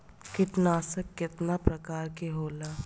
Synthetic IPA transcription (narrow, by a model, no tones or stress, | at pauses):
kɪʈnaːsəkːɪt̪napɾɐkaːɾkeɦoːlaː